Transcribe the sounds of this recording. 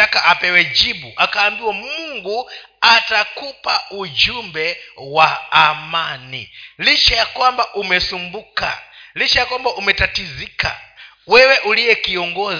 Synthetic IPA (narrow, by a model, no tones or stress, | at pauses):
akaʔapɛwɛd͡ʒiɓuʔakaːmbiwɔmuŋɡu | atakʰupaud͡ʒumbɛwaːmanḭlit͡ʃɛjakambaʔumɛsumbuka̰lit͡ʃɛjakɔmbaʔumɛtatizika̰ | wɛwɛʔulijɛkijɔŋɡɔ